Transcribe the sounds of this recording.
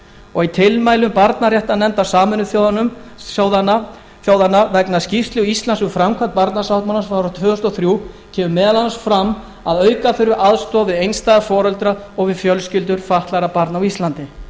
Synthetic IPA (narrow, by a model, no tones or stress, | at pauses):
ɔɣit̪ʰɪlmaːjlʏmpaɾt̪narjɛht̪anɛmt̪asaːmʏnːʏθjoðnʏsjawðana | θjoːwðanːavɛknascift̪lɪɔist̪lansʏfɾamkʰvant̪̚paɾt̪nasawht̪manasfaːɾʏt̪ʰvʏːʏst̪ɔθɾjuː | cʰɛːmʏmɛːðalansfɾamː | aðœːɥkaθʏɾvʏʔaðst̪ɔːvɪðejnst̪ajɣafɔːɾœlt̪ɾaɔɣvɪðfjœlscɪlt̪̬ʏɾfaht̪laɾapaɾt̪nawist̪lant̪ɪ